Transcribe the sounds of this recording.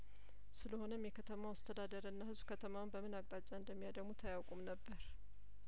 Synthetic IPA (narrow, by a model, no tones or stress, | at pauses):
sɨləho̞nəmjɛkʰət̪ʰəmawast̪ʰəd̪ad̪əɾɨnːahɨzbkʰət̪ʰəmawnbəmɨnakʼt̪ʼat͡ʃʼːaɨnd̪əmːijad̪əɡmut̪ʰəjawkʷʼumnəbːəɾ